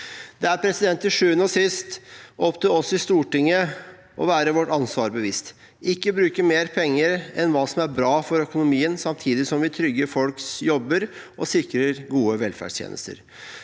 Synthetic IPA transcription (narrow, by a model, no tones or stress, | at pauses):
d̪̥ɛæɾpʰɾɛsɪd̪ɛnt̪ːɪʂʉːənɔsɪst̪ʔɔpt̪ʰuːɔsɔɪst̪uːʈɪŋːə | ʔɔ̰ʋæːɾəʋɔʈːɑnsʋɑːɾbəʋɪst̪ | ɪkːəbɾʉːkəmeːɾpʰɛŋːəɾɛnʋɑːsɔmæɾbɾɑːfɔɾœkʊnʊmiːənsɑmt̪ʰiːd̪ɪsɔmʋɪt̪ʰɾʏɡəfɔlksjɔbːəɾ | ʔɔsɪkɾəɾɡuːəʋɛlfæ̰ɖst̪jḛːnə̰st̪ə̰ɾ